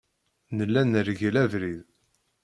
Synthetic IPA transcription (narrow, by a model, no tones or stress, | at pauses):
nəlːænəɾʝlævɾið